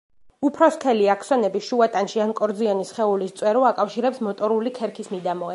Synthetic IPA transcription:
upʰɾɔskʰɛliakʰsɔnɛbiʃuat̪ʼanʃiankʼɔɾd̪zianisχɛulist̪sʼwɛɾɔakʼafʃiɾɛpsmɔt̪ʼɔɾulikʰɛɾkʰismid̪amɔɛ

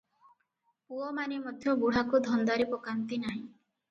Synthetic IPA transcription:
puɔmanemɔd̪ʱjɔbuɽ̤akud̪ʱɔnd̪aɾipɔkant̪inaɦĩ

